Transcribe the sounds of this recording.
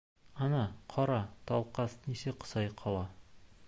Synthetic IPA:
ɒnɑqʰɒɾɑt̪ɒlˠqɑsnisɘqɤ̥sɑjqʰɒlˠɑ

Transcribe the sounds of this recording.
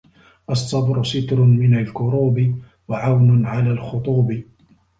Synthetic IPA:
ʔɑsˤːɑbɾʊsɪt̪ɾʊmɪnalkʊɾuːbɪ | waʕawnʊʕalaːlxʊt̪ˤuːbɪ

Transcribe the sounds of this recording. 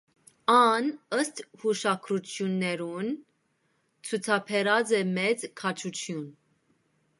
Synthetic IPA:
ɑnəst̪huʃɑkʰɾut͡sʰjunːɛɾun | t͡sʰut͡sʰɑpʰɛɾɑd͡zɛmɛt͡skʰɑt͡ʃʰut͡sʰjun

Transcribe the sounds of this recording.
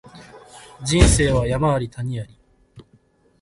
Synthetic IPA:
d͡ʑĩɰ̃se̞ːβajamaβaɾʲit̪aɲ̟iaɾʲi

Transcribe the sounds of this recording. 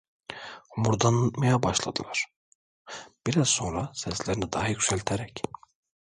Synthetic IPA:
muɾd̪anmajabɑʃlˠa̰d̪ɯlˠaɾ̥ | b̥iɾazso̞nɾasɛslʲeɾinid̪ɑɦajycʲsælʲt̪ʰeɾɛc

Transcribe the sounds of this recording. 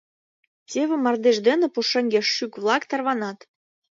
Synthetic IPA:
tʲeβʲɘ̆mɑrd̪eʒd̪enĕpuʃɤ̆ŋʲɡʲeʃːykβlˠɑkt̪ɑrβɑnɑt̪

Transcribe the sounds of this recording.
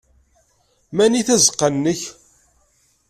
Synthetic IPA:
mæniθæzəqːənːəç

